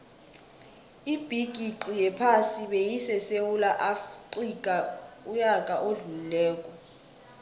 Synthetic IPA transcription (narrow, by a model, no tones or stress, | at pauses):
ib̥ʱiɡ̥ʱiǀijɛpʰasiɓejisɛsewulaʔafǃikʼaujakʼaʔoɮululɛːkʼɔ